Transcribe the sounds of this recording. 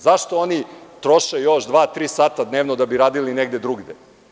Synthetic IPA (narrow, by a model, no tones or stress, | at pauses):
zaʃt̪oonit̪ɾo̞ʃejo̞ʃd̪ʋaːt̪ɾiːsaːt̪ad̪neːʋnod̪abiɾaːd̪ilineɡd̪ed̪ɾuɡd̪e